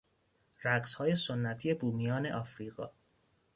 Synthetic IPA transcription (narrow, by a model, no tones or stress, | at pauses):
ɾæɡshɒːje̞sonːæt̪ʰije̞buːmijɒːneʔɒːfɾiːɣɒ̰ː